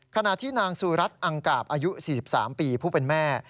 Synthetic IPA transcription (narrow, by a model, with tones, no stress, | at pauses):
kʰa˧na˨˩t̪ʰːiː˥˩naː˧ŋsuː˧ɾa˦˥t̪̚ʔa˧ŋkaː˨˩p̚ʔaː˧ju˦˥siː˨˩si˨˩p̚sa̰ː˩˦mpiː˧pʰuː˥˩pe˧nmɛː˥˩